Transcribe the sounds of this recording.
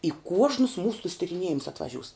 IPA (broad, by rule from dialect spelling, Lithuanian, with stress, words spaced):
ɪ ˈkuɔʒnʊs ˈmuːsʊ tʊs tʲɪrʲɪˈnʲiɛjɪmʊs ɐtʋɐˈʒʲuːs